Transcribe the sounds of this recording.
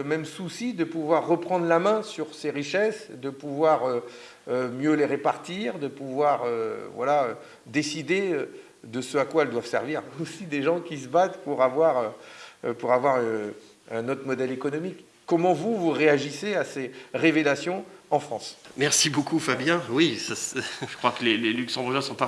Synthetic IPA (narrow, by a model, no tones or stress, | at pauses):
əmɛmsusid̪əpuvwaʁːəpχɑ̃d̪ʁlamɛ̃syʁseʁiʃɛsd̪əpuvwaʁøː | mjøleʁepaʁt̪iʁd̪əpuvwaʁøvwalaø | d̪esid̪eø | d̪əsøakwaɛld̪wav̥sɛ̰ʁviʁosid̪eʒɑ̃kʲisəbat̪puʁavwaʁøpuʁavwaʁɛ | ɛ̃not̪χmɔd̪ɛlekɔnɔmikː | ɔmɑ̃vuvuʁeaʒiseaseʁevelasjɔ̃ɑ̃fχɑ̃smɛʁsibokufabjɛ̃wisasʒə̥kχwakəlelelyksɑ̃buʁʒɛ̃sɔ̃pa